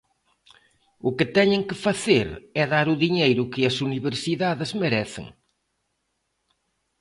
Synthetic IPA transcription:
ʊkɪt̪ɛɲɪ̃ŋkɪfaθeɾɛðaɾʊðiɲejɾʊkɪɐsuniβeɾsiðaðɪzmeɾɛθɪ̰ŋ

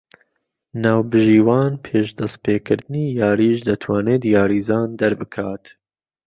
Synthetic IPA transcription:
naːwbɨʒiːwɑːnpʰeːʃd̪ɐst̪̚peːkʰɨɾd̪ɨniːjɑːɾiːʃd̪ɐt̪ʰwɑːneːd̪jɑːɾiːzɑːnd̪ɐɾbɨkʰaːt̪

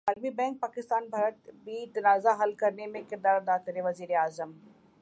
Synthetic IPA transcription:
aːɾmibɛ̃ːŋk̚paːkɪst̪aːnbʱaːɾət̪bit̪ɐnaːzaɦɐlkɐɾnemẽkɪɾd̪aːɾd̪aːt̪ɪɾeʋɐziːɾeaːzəm

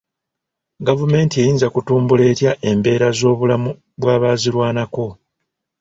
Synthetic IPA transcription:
ɡavume̞ːntiejiːnzakutuːmbule̞ːtjaʔe̞mbe̞ːɾazo̞ːβulamu | βwaːβaːziɾwaːnako̞

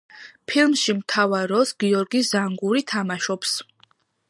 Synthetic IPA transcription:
pʰilˠmʃimt̪ʰavaɾɔsɡiɔɾɡiszaŋɡuɾit̪ʰamaʃɔps

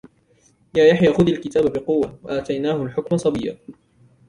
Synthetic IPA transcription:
jaːjaħjaːxʊðalkɪt̪aːbabɪqʊwːawaʔaːt̪ajnaːhʊlħʊkmasˤɑbijːa̰ː

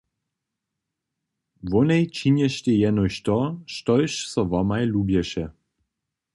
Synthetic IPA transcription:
vɔnɛjt͡ʃinɛʃtʲejɛnɔɕt̪ɔʃtɔjʃsɔvɔmajlubjɛʃɛ

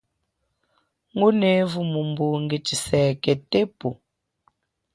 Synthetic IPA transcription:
ŋɡonevumumbuŋɡet͡ʃisɛkɛtepo

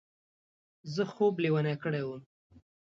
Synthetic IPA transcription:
zəxobliwanakəɽewəm

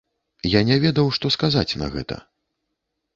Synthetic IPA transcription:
janʲɛvʲɛd̪ɐwʂt̪ɔskazat͡sʲnɐ̰ɣɛ̰t̪ɐ̰

